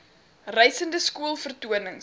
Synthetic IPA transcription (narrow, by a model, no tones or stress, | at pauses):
rɛjsəndəskuəlˠfərtuənəŋ